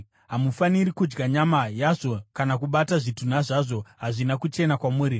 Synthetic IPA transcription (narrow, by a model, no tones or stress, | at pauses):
ɦamufanirikud͡ʒɡaɲamajaʐo̞kanak̬uɓataʐitun̤aʐaʐo̞ɦaʐinakut͡ʃe̞nakwamuːɾi